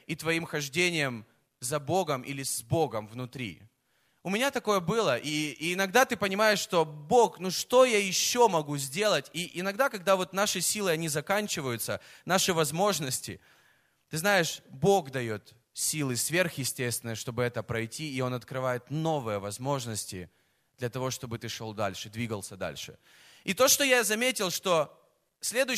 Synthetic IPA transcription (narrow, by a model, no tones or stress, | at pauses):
it̪vɐimxɐʐdʲenʲɪjəm | zɐboɡəmʔḭlʲɪzbo̞ɡəmvnʊt̪ɾʲḭ | ʊmʲɪnʲat̪ɐko̞jəbɨlˠəʔiːnɐɡd̪at̪ɨpənʲɪmajɪʂːt̪o̞bo̞knuʂt̪o̞jajɪɕːomɐɡuzʲdʲe̞lˠətʲiʔɪnɐɡd̪akɐɡ̚d̪avo̞t̪naʂɨsʲilˠɨɐnʲizɐkanʲt͡ɕɪvəjʊt̪sənaʂɨvɐzmo̞ʐnəsʲtʲɪ̰ | t̪ɨznajɪʂbo̞ɡd̪ɐjo̞t̪ | sʲilˠɨsvʲe̞rxjɪsʲtʲest̪vʲɪnəjəʂt̪o̞bɨɛt̪əpɾɐjtʲʰiːo̞nɐt̪kɾɨvajɪt̪no̞vɨjəvɐzmo̞ʐnəsʲtʲɪ̰ | d̪̥lʲɐt̪ɐvo̞ʂt̪o̞bɨt̪ɨʂo̞lˠd̪a̰lʲʂɨd̪vʲiɡəlˠsʲəd̪a̰lʲʂɨ̰ | it̪o̞ʂt̪o̞jazɐmʲetʲɪlˠʂt̪o̞ | sʲlʲe̞d̪ʊ